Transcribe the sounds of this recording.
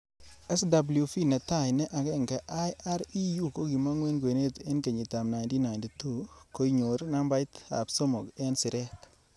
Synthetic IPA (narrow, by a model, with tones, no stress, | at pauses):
ɛ˦sda˨blju˨fi˦na˨ta˦˨jnɛ˦ʔa˨ke˦˨ŋka˨ʔa˦ja˦ɾi˦ju˦ko˦ɡi˨ma˦ŋwe˦nɡe˨ne˦te˦nke˨ɲi˨ta˨mna˨jnti˦na˨nti˨tu˦˨ko˦i˦ɲo˨ɾna˦mba˦jta̰˨bso˦mo˨kɛ˦nsi˨ɾɛ˦t